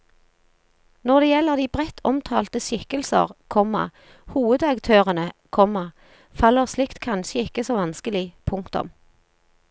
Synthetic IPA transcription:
nɔʁd̪eːjɛlːəʁd̪iːbʁɛt̪ʰɔmt̪ʰɑːlt̪əʃʏkəlsə̰ʁkʰɔmɑ̰ | huːʋəd̪ɑkt̪ʰøːʁənəkʰɔmɑ | fɑlːəʁslɪkt̪kʰɑnʃəɪkəsoːʋɑnskəlɪpʰʊŋkt̪ʊ̰m

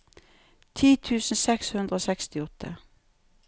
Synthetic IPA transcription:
t̪ʰiːt̪ʰʉːsn̩sɛkshʉnd̪ɾəoːsɛkst̪ɪɔt̪ʰːə̰

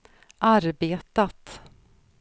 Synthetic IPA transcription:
ʔaɾbeːt̪at̪

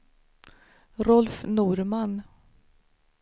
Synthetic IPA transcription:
ɾɔlfnuːɾman

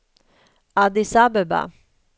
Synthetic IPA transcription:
ad̪isabɛba̰

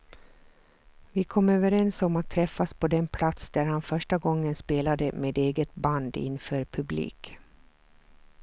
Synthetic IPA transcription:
vɪkʰɔmøːvəɾɛnsɔmat̪ʰːɾɛfːaspʰɔd̪ɛnpʰlat̪sd̪æɾhanfœʂʈaɡɔŋːənspeːlad̪əmeːd̪eːɡət̪̚band̪ɪ̰nːfœːɾpʰɵblḭːk

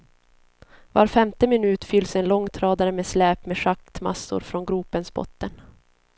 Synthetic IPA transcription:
va̰ɾfɛmt̪əmɪnʉ̟ːt̪fʏlːsɛnlɔŋːt̪ʰɾɑːd̪aɾəmeːslɛːpmeːʂak̚t̪ma̰sːʊ̰ɾfɾɔnɡɾuːpənsbɔ̰t̪ːən

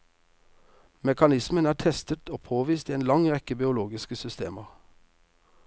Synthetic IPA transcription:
mɛkɑnɪsmənæːʈ̪ʰɛst̪ət̪oːpʰoːʋiːst̪ieːnlɑŋʁɛkəbɪʊloːɡɪskəsʏst̪ḛːməʁ

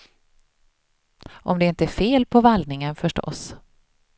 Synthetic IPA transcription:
ʔɔ̰md̪ɛɪnt̪əæɾfeːlpʰɔvalnɪŋənfœʂʈɔ̰s

